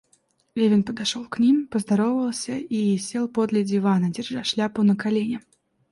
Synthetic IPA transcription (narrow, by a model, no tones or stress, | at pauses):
lʲevʲɪnpəd̪aʂolˠknʲimpəzd̪aɾɔvəvəlˠsʲɐijsʲelˠpod̪lʲɐd͡zʲɪvanɐd͡zʲɪrʐaʂlʲapɨnəkalʲenʲɪ